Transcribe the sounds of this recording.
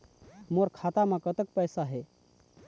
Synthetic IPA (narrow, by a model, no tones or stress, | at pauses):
moɾkʰat̪amekət̪ək̚pəjsaɦe